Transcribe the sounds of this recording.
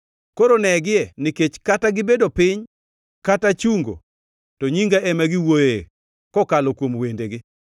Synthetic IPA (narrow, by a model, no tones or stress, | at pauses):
koɾonɛɡɪɛnɪket͡ʃkataɡɪbedopɪɲ | katat͡ʃuŋɡo̰ | tɔɲiŋɡaʔɛmaɡɪwoje | kɔkalɔkwomwendeɡɪ